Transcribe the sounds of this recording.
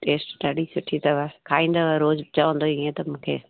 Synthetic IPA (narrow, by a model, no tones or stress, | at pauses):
ʈeːsʈʈɐɽisʊʈʰit̪ɐʋakʰaːĩːn̆d̪oaɾoːzt͡ʃaʋə̃n̆d̪oiẽt̪ɐmũːkʰḛː